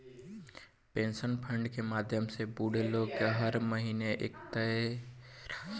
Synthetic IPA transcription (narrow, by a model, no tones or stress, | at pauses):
pẽːnsənpʰə̃ɳɖkemaːd̪ʱjəmsebuːɽeloːɡkeɦəɾməɦiːneʔeːkt̪əe